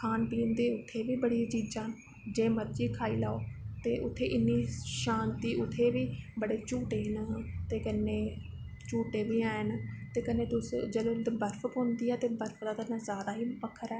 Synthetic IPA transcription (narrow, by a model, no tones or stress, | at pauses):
kʰaːnpiːnd̪eːʊt̪ʰːeːʋiːbəɽiːt͡ʃiːd͡ʒaːn | d͡ʒeːməɾd͡ʒiːkʰaːiːlaːoːt̪eːʔʊt̪ʰːeːʔɪnːiːʃãːnt̪iːʔʊt̪ʰːeːʋiːbəɽeːt͡ʃuːʈeːnt̪eːkənːeː | t͡ʃuːʈeːʋiːaːnt̪eːkənːeːt̪ʊsd͡ʒəlõːbəɾfʰəkɦʊ̃nd̪iːɛːt̪eːbəɾfʰd̪aːt̪ənːãːzjaːd̪aːɦiːpəkʰːəɾɛː